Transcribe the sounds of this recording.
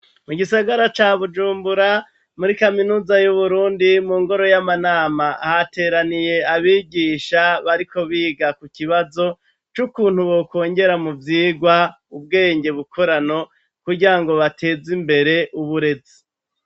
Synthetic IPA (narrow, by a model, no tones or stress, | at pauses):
muɡisaɡaɾat͡ʃaːβud͡ʒuːmbuɾa | muɾikaminuːzajuβuɾuːndimuːŋɡo̞ɾo̞jamanaːmahate̞ːɾanije̞aβiːɡiːʃaβaɾiko̞βiːɡakuciβazo̞ | t͡ʃukuːn̥huβoko̞ːɲɟe̞ɾamuvjiːɡwa | ub̚ɡe̞ːɲɟe̞βukʰo̞ɾano̞ | kuɟiɾaŋɡo̞βatʰe̞ːzimbe̞ɾe̞ʔuβuɾe̞zi